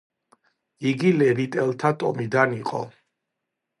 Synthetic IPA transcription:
iɡilɛɾit̪ʼɛlˠt̪ʰat̪ʼɔmid̪aniqʼɔ̰

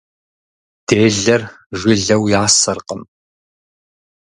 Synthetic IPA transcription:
d̥eːɮɐr | ʒʷɪɮɐwjaːsɐrqəm

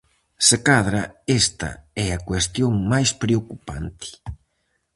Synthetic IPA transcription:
sekaðɾɐest̪ɐ̰ɛɐkwest̪joŋmajspɾeokupa̰nt̪ʰɪ̥

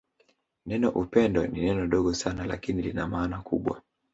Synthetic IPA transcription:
nɛnɔʔupɛndɔninɛnɔɗɔɠɔsanala̰kinilinamaːnakuɓwa̰

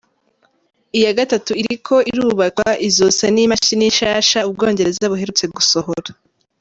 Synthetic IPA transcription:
ijaɡatatuiɾikʰo̞iɾuːβakwaʔizosenimaʃiniʃaːʃaubɡo̞ːɲɟe̞ɾe̞zaβuɦe̞ɾut͡se̞ɡuso̞hoɾa

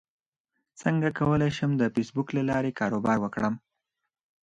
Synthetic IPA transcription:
t͡səŋɡakawəlajʃəmd̪əfesbuklalɑɾekɑɾobɑɾwəkɽəm

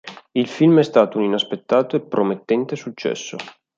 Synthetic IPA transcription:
ilfilmɛst̪aːt̪ouninaspet̪ːaːt̪oepːɾomet̪ːɛnt̪esut͡ʃːɛ̰sːo̰

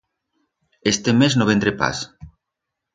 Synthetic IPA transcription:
est̪emeznoβent̪ɾepa̰s

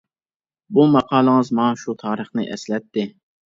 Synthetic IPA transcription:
bumɑqʰɑːlˠəŋɨzmɑʃut̪ʰɑːɾəχnɨʔɛslɛt̪ːɪ

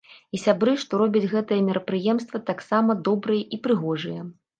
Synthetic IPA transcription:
isʲabɾɨʂt̪ɔɾɔbʲɐd͡zʲɣɛt̪ɐjɐmʲɛɾɐpɾɨjɛmst̪vɐt̪aksamɐd̪ɔbɾɨjɐʔipɾɨɣɔʐɨjɐ

